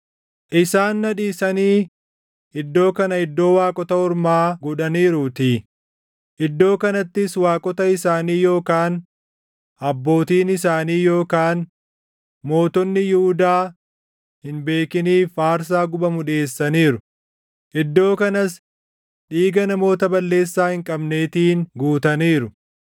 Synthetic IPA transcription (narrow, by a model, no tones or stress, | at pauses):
ʔɪsaːnːɐᶑiːsɐniː | ɪd̪ːo̞ːkɐnɐɪd̪ːo̞ːwaːkʼɔt̪ɐɔɾmaːɡɔᶑɐniːɾʊt̪iː | ʔɪd̪ːo̞ːkɐnɐt̪ːɪswaːkʼɔt̪ɐɪsaːniːjo̞ːkaːn | ʔɐbːo̞ːt̪iːnɪs̬aːniːjo̞ːkaːn | mo̞ːt̪ɔnːɪjʊhʊd̪aː | hɪnbe̞ːkɪniːfaːɾs̬aːɡʊbɐmʊᶑe̞ːsːɐniːɾʊ | ʔɪd̪ːo̞ːkɐnɐs | ᶑiːɡɐnɐmo̞ːt̪ɐbɐlːe̞ːsːaːhɪŋkʼɐbne̞ːt̪iːnɡuːt̪ɐniːɾʊ